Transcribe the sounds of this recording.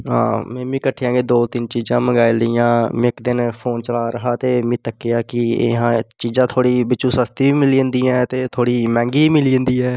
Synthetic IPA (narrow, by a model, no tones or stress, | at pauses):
ɦã̰ːmɛ̃ːmĩːkəʈʰːejãːɡeːd̪oːt̪ɪnt͡ʃiːzãːməɡaːiːləiːãːm̃ːɪkd̪ɪnpʰoːnt͡ʃəlaːɾəɦaːt̪eːmĩːt̪əkːejaːkɪḛɦãːt͡ʃiːzãːt̪ʰoːɽiːbɪt͡ʃːuːsəst̪iːʋiːmɪliːə̃nd̪iːɛ̃ːt̪eːt̪ʰoːɽiːmɛ̃ːŋɡiːiːmɪliːənd̪iːɛː